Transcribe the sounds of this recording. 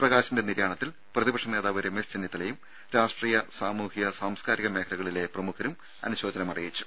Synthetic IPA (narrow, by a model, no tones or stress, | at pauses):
prɐɣaːɕindeniɾjaːɳɐt̪ːil | prɐðibɐkʂɐne̞ːðaːʋɐɾemesd͡ʑenːit̪ːɐlejum | ɾaːʂʈriːjɐsaːmuːhiɣɐsaːmskaːɾiɣɐmeːkʰɐɾɐɣɐɭile̞prɐmukʰɐɾum | ɐ̰nuɕo̞ːd͡ʑɐnɐmɐrijit͡ɕːu̥